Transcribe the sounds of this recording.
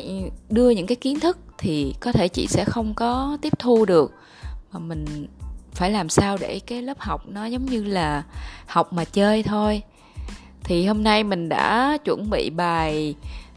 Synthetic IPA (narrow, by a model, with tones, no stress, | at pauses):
ɗɨ˧əɲɨ̰˧˥ŋkaː˨˦jki˨˦nt̪ʰɨ˦˥k̚t̪ʰi˨˩kɔ˨˦t̪ʰe˧˩t͡ɕḭ˧˨sɛ̰˧˥xə˧wŋ͡mkɔ˨˦t̪i˦˥əp̚t̪ʰu˧ɗɨ˨˩ək̚ | maː˨˩mï˨˩ŋ̟faː˧˩jlaː˨˩msaː˧wɗe˧˩kaː˨˦jləː˦˥p̚ha˨˩wk͡p̚nɔ˨˦zə˨˦wŋ͡mɲɨ˧laː˨˩ha˨˩wk͡p̚maː˨˩t͡ɕəː˧jt̪ʰo˧j | t̪ʰi˨˩ho˧mna˧jmï˨˩ŋ̟ɗa̰ː˧˥t͡ɕwə̰˧˩nɓḭ˧˨ɓaː˨˩j